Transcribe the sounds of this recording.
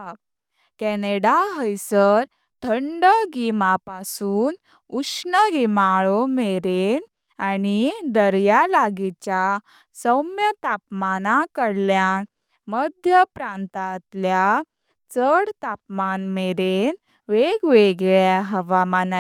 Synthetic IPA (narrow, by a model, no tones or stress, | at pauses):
kɛneɽaɦəjsəɾ | t̪ʰəɳɖəɡimapasuːn | uksʂnəɡimaɭomeɾen | anid̪əɾjalaɡit͡ɕja | səwmjət̪apmanakəɽljan | məd̪ʱjəpɾãnt̪at̪lja | t͡səɽt̪ap̚manmeɾen | ʋeɡʋeɡɭjaɦəʋamana